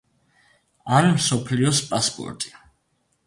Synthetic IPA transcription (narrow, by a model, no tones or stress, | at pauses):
anmsɔpʰliɔspʼaspʼɔ̰ɾt̪ʼi̥